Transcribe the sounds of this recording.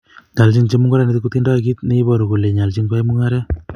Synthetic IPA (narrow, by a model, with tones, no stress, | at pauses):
ɲa˨lt͡ʃi˦ŋt͡ʃe˦mu˦ŋɡɔ˦ɾa˦ne˨tɪ˦k̬u˦t̪i˦nda˦˨ki˦t̪ne˦i˦bɔ˨ɾu˨ko˨le˨ɲa˨lt͡ʃi˦ŋka˦i˦mu˦ŋaɾɛ˦